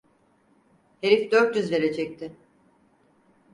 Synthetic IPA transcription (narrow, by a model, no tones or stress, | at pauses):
heɾifd̪øɾt̪jyzveɾed͡ʒʰɛc̚t̪ʰɪ